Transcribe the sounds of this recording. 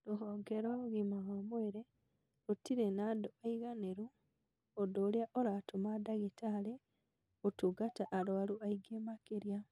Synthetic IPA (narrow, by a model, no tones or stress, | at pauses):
loɦoːɡeɾoɣimaɣamweɾe | otiɾenadoaiɣaneɾu | odoːljaʔoɾatomadaɣetale | otuɡataʔːloaluaiɡemakeɾja